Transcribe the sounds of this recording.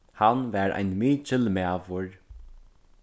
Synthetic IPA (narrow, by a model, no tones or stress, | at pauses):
hanvæːɾa̰jnmiːt͡ʃɪlmæːʋʊɹ